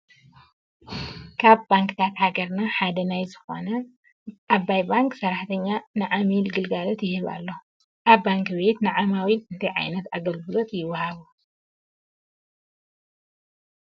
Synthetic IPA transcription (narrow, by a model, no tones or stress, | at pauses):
kʰaβbaŋkt̪ʰat̪haɡɐɾnaħad̪ɐnajzɨxo̞̰nɐ | ʔaβajbaŋksɐɾaħt̪ʰɐɲːanɨʕamilɡɨlɡalot̪jɪhɨβa̰lːo | ʔaβːaŋkbe̞t̪nɨʕamawiɨnt̪ʰɐjʕa̰jnɐt̪aɡɐlɡɨlo̞t̪jɪwːɐhaβu